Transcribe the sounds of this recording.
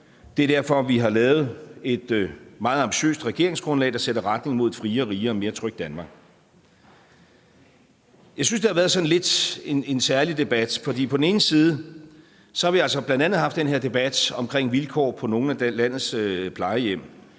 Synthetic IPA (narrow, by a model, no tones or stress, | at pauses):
d̥e̝æɐd̥æɐfɒ̽ʋiɦɑ̈lɛːʊð̞̩ˠe̝d̥mɑ̈ːð̞̩ˠɑ̈mbiɕø̰ːsd̥ʁɛɡ̥e̝ɐ̰e̝ŋsɡ̥ʁɔ̽nlɛ̰ːd̥æseɾ̥əʁad̥ne̝ŋmo̝ð̞̰ˠfʁiːɐːʁiːɐɒme̝ːɐt͡sʰʁœɡ̥̚d̥ænmɑ̈ɡ̥ | jɑ̈ɪsynsd̥e̝hɑ̈ʋæːɐðˠsɒ̽n̩le̝d̥ene̝nsæɐlid̥e̝b̥æd̥fɒ̽d̥ḭːpʰɒ̽d̥n̩e̝ːn̩siːð̞̩ˠə | sɒ̽hɑ̈ʋiælsɒb̥lænd̥ænð̩ˠɦɑ̈fd̥enɦe̝ɐ̰d̥e̝b̥æd̥ɒ̽mkʰʁeŋ̰ʋilkʰɒ̰ːpʰɒ̽no̝ːn̩ælæn̰ð̩ˠspʰlɑ̈ɪəjem̰